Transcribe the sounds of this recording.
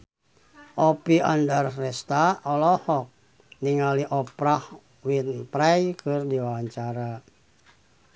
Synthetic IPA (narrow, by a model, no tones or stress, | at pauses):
ʔɔpiandarrɛst̪aɔlɔhɔk̚ | niŋaliʔɔpɾah | winpɾajkɨrdiwawaɲt͡ʃaɾa